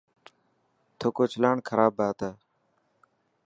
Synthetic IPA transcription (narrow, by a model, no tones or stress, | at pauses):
t̪ʰoːkoːt͡ʃʰəlaːɳkʰəɾaːbaːt̪aː